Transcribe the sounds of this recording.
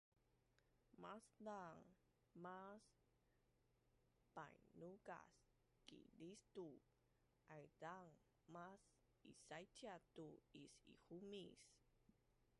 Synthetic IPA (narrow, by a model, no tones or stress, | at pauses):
masdaŋ | mas | pa̰jnuɡa̰s | kḭlistu | ʔajdaŋ | mas | ḭsajtatuisḭhumis